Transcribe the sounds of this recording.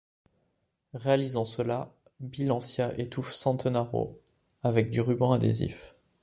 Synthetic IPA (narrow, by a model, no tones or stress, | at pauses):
ʁealizɑ̃səla | bilɑ̃sjaʔet̪ufsɑ̃t̪naʁo̰ | avɛk̚d̪yʁybɑ̃ad̪ḛzḭf